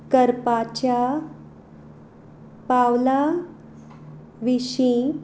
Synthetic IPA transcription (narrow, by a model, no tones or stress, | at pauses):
kəɾpat͡ɕja | pawla | ʋiɕĩ